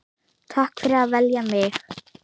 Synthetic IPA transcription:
t̪ʰahkfɛɾaðvɛljamɪx

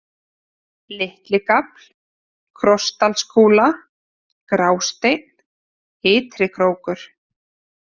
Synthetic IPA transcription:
lɪht̪lɪkapl̥ | kʰɾɔst̪alskʰoːla | kɾaːwst̪ejt̪n̥ | ɪːt̪ɾɪkʰɾoːwkʏɾ̥

